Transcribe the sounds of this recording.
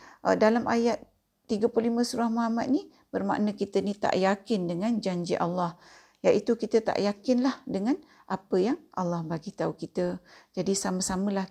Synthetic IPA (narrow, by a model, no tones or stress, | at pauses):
ʔə̰dalamʔajat̪ː | iɡəpulimə̃suɾahmaɦamat̪̚ni | bərma̰ʔnə̃kit̪ənit̪a̰ʔjakɪndəŋand͡ʒaɲd͡ʒiʔa̰lːɑh | jaʔit̪ukit̪ət̪a̰ʔjakɪnlahdəŋan | ʔapəjaŋʔa̰lːɑhbaɡit̪aukit̪əd͡ʒadisamə̃samə̃lah